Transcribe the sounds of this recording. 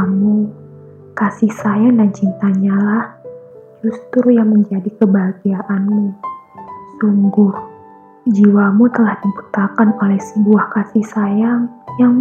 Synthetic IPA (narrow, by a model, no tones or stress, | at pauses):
mu | kasisajaŋdant͡ʃint̪aɲalah | d͡ʒust̪ɾujaŋməɲd͡ʒadikəbaɡiaʔanmu | suŋɡʊr | d͡ʒiwamut̪əlahdibut̪akanolɛhsəbuahkasihsajaŋjaŋ